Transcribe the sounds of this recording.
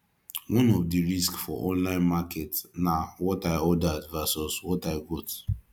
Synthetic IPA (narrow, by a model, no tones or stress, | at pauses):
wɔ̃nɔfdiɹiskfɔ̰ʔɔ̃nlãɪ̃nmakɛtnawɔtaɪɔdadvasɔswɔtaɪɡɔt